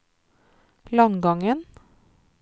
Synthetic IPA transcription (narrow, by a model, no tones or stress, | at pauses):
lɑŋɡɑŋən